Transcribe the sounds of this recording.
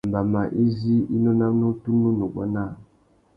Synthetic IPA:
m˨ba˨ma˨ʔi˦zi˦i˦nɔ˦na˦mnu˦tu˦nu˦nu˨ɡa̰˦na˦˨

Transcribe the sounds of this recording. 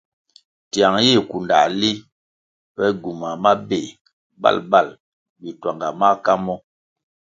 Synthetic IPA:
tja˨ŋji˦˨ku˨nda̰˨li˦ | pɛ˦ɡu˨ma˨ma˦be˨ | ba̰˦˨lba˦˨l | bi˨twa˨ŋɡa˨ma˦ka˦mɔ˦

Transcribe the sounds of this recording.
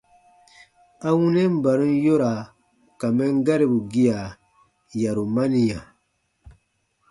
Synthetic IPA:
a˦wũ˦nɛ̃˦m̩˦ba˨ɾũ˦n˦jo˦ɾa˨ | ka˨mɛ˦ŋ˦ɡa˦ɾi˨bu˨ɡi˦ja˨ | ja˨ɾu˨ma˦ni˨ja˨

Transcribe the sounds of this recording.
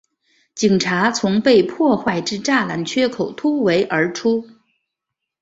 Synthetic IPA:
t͡ɕi˨˩ŋʈ͡ʂʰa˧˥t͡sʰʊ˧˥ŋpe˥˧ɪpʰɔ˥˧xwa˥˩ɪʈ͡ʂɻ̩˥˧ʈ͡ʂa˥˩la˧˥nt͡ɕʰɥɛ˥kʰo˨˩ʊt̪ʰu˥we˧˥ɪʔə˞˧˥ʈ͡ʂʰu˥

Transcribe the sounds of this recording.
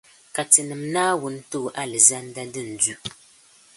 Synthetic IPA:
ka˨tɨ˨nɨ˨mnaː˦wʊ˦n˦to˦˨ʔa˦lɨ˨za˦n˦da˦dɨ˦n̩˨du˦ʔ

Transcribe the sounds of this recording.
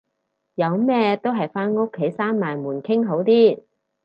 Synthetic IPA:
jɐ˨˧wmɛː˥t̪o˥wɦɐ˨jfaː˥nŋʊ˥kʰːe˨˥jsaː˥nmaː˨jmuː˨˩nkʰɪ˥ŋɦo˨˥wt̪iː˥

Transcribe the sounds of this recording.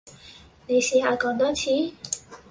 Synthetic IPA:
ne˨˧jsiː˨˧haː˨˧kɔː˨˥ŋt̪ɔː˥t͡sʰiː˧˥˦

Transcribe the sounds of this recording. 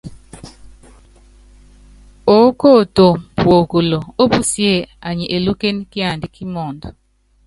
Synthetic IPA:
o˨˦ko˦˨to˨mpwo˨ko˨lo˨o˦bu˦sje˦˨a˨ɲi˨ʔe˨lu˦ke˦nki˦a˨ndi˦ki˦mɔ˨nd

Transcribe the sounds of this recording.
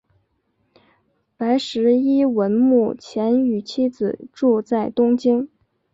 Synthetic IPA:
pa˧˥ɪʂɻ̩˧˥i˥wə˧˥nmu˥˩t͡ɕʰjɛ˧˥ny˨˩t͡ɕʰi˥d͡zɹ̩˨˩ʈ͡ʂu˥˧t͡sa˥˩ɪt̪ʊ˥ŋt͡ɕi˥n

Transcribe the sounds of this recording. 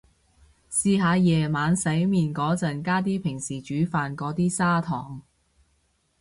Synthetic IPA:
siː˧ɦaː˨˧jɛː˨˩maː˨˧nsɐ˨˥jmiː˨nkɔː˨˥t͡sɐ˨nkaː˥t̪̬iː˥pʰɪ˨˩ŋsiː˨˩t͡ʃyː˨˥faː˨nkɔː˨˥t̪iː˥saː˥t̪ʰɔː˨˩ŋ

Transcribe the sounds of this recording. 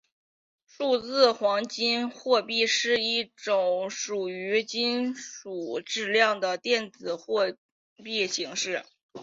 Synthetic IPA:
ʂu˥˧t͡sɹ̩˥˩xwɑ˧˥ŋt͡ɕi˥nxwɔ˥˧pi˥˧ʂɻ̩˥˧i˥˩ʈ͡ʂʊ˨˩ŋʂu˨˩y˧˥t͡ɕi˥nʂu˨˩ʈ͡ʂɻ̩˥˧ljɑ˥˩ŋd̪ə˩t̪jɛ˥˩nt͡sɹ̩˨˩xwɔ˥˧ | pi˥˩ɕi˧˥ŋʂɻ̩˥˩

